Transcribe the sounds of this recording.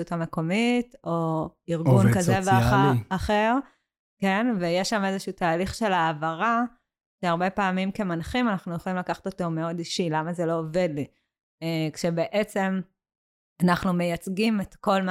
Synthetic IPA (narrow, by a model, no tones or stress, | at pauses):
utame̞ko̞mito̞iʁɡunkazeveaaaχeʁ | ke̞nvejeʃamezeʃuutaːliχʃe̞lavaʁa | ʃeaʁbe̞paːmimke̞manχimanaχnujeχolimlakaχḁt̪o̞to̞me̞o̞diʃilamazelo̞ːve̞dli | ekʃe̞be̞ʔet͡se̞m | anaχnumejat͡sɡimetko̞lm